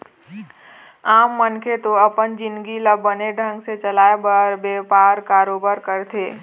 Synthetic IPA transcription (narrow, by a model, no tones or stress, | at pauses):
aːmːənkʰet̪oɐpənd͡ʒɪ̃nɡiləbːəneɖʱə̃ŋɡset͡ʃəlaːebəɾbeːpaːɾkaːɾoːbaɾkəɾt̪ʰeː